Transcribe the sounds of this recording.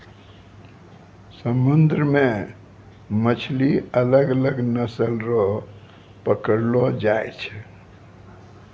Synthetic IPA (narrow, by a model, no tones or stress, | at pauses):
səmund̪ɾəme | mət͡ʃʰliələɡələɡnəsəlɾɔ | pəkəɾlɔd͡ʒajt͡ʃʰɛ̥